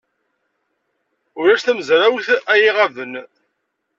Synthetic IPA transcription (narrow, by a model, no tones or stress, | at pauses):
ʊɾæʃθæməzɾawθæjiʁævən